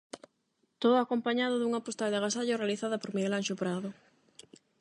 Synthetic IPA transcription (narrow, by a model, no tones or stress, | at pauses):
t̪oðʊakompaɲaðʊðuŋapost̪ald̪ɪɣasaʎʊrealiθaðɐpoɾmiɣelanʃopɾaðʊ